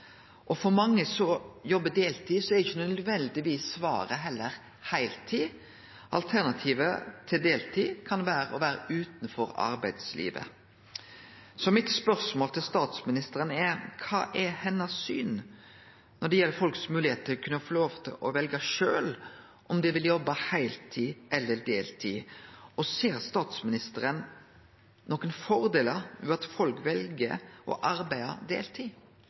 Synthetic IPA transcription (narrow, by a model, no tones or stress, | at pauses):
ʔɔfɔɾmɑŋːəsɔjɔbːəd̪eːlt̪ʰiːsɔɛɾɪçənœdd̪ʋɛnd̪ɪʋiːsʋɑ̰ːɾəɦɛlːəɾ | hæɪlt̪ʰiː | ʔɑ̰lt̪ʰæɾnɑt̪ʰiːʋət̪ʰɪld̪eːlt̪ʰiːkʰɑnʋæːɾəɔʋæːɾə̰ʔʉːt̪nfɔɾɑ̰ɾbæɪd̪slḭːʋə̰ | sɔmɪt̪spœɾsmoːlt̪ʰɪlst̪ɑːt̪smɪnɪst̪əɾənɛkʰɑ̰ːʔɛhɛnːɑsyːn | nɔɖɛjɛlːəɾfɔlksmʉːlɪheːt̪ʰɪkʰʉnːəfɔloːʋt̪ʰɪ̰lʔɔʋɛlɡɑʃøːl | ʔɔmd̪ɛʋɪljɔbːɑhæɪlt̪ʰiːʔɛlːəd̪eːlt̪ʰiːɔseːɾst̪ɑːt̪smɪnɪst̪əɾən | nɔːkənfɔɾd̪eːləɾʉɑt̪fɔlkʋɛlɡəʔɔ̰ʔɑɾbæɪə̰ɾd̪ḛːlt̪ʰiː